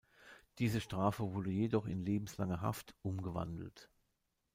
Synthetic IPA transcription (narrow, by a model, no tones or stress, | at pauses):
d̥iːzəʃtʁ̥aːfəvʊɐdəjedɔχɪnleːbm̩slaŋəɦa̰ftʔʊmɡəva̰ndl̩t